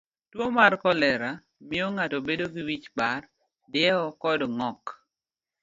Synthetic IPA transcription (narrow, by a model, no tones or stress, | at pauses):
twomarkɔlɛɾa | mɪoŋatobedoɡiwit͡ʃbar | dɪɛɔkɔdɔŋɔk